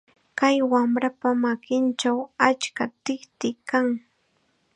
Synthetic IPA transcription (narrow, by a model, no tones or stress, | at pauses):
kajwamɾapamakɪnt͡ʃawat͡ʃkat̪ɪkt̪ɪkaŋ